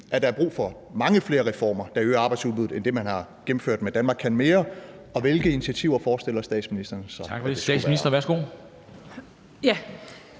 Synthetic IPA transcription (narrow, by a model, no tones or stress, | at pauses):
ʔæɐd̥ɑ̈æɐb̥ʁṵːfɒ̽ | mɑ̈ŋəfle̝ːɐʁɛfɒ̰ːmɐd̥ɑ̈øːɑ̈bɑ̈ɪdsulˠbuð̩ˠend̥e̝mænhɑ̈ɡ̥em̩føɐ̰d̥med̥ænmɑ̈ːɡkʰːænme̝ːɐ | ɒ̽ʋe̝lɡ̥əini̥t͡sʰæt͡sʰiʊ̰ɐfɒːsd̥e̝l̰ɐsd̥ɛ̰ːd̥sminisd̥ɐnəsɒ̽ɡ̥fesɛ̰̥ːsminisd̥ɐʋæɐsɡ̥o̝̰ː | jæ